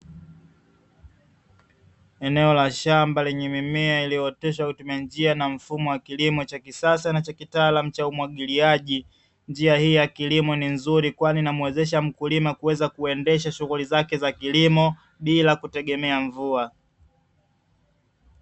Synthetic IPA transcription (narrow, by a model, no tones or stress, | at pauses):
ɛnɛɔlaʃambalɛɲɛmimɛailijɔtɛʃakutumiand͡ʒianam̩fumɔwakilimɔt͡ʃakisasanat͡ʃakitaːlam̩t͡ʃaumwaɠiliaʄi | nd͡ʒiahiːjakilimɔninzuɾikwaninamwɛzɛʃ̬am̩kulimakuwɛzakuɛndɛʃaʃuɣulizakɛzakilimɔ | ɓilakutɛɠɛmɛaɱvua